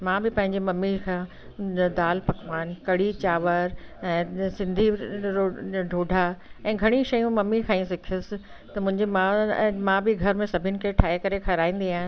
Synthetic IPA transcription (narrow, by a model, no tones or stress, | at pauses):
mãbɪpɐ̃ɦɪ̃ɲd͡ʑemɐmːikʰãː | d̪aːlpɐkʋaːnkɐɽ̤it͡ɕaːʋəɾɛ̃ːsɪ̃nd̪ʱi | ɖʱoːɖʱaɛ̃ːɡʱɐɽ̃iʃɐjũmɐmːikʰãːĩsɪkʰiʊsɪ̆ | t̪ɐmʊ̃ɦɪ̃ɲd͡ʑemãmãbɪɡʱɐɾmẽsɐbʱɪnɪ̆kʰeʈʰaːɦekɐɾekʰɐɾaːĩːn̆d̪iaːɦɪ